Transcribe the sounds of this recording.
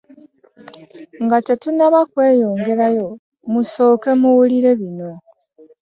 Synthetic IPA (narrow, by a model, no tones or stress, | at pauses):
ŋɡatetunaβakwe̞ːjo̞ːŋɡe̞ɾajo̞ | muso̞ːke̞muwuliɾe̞βino̞